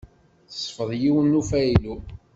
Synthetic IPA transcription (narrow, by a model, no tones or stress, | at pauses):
θsˤfəðˤjiwənːufæilu